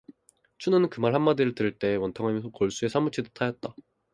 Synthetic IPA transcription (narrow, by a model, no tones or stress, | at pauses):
t͡ɕʰunɯnɯnkɯmaɭɦhanmadiɾɯɭtɯɾiɭt͈e̞wʌntʰʌŋɦamjʌnsʰʌkʌɭs͈ue̞sʰamut͡ɕʰidotʰajʌt̚t͈a